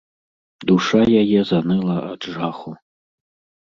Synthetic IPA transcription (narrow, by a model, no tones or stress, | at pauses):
d̪uʂajajɛzanɨlˠɐaʈ͡ʂʐaχu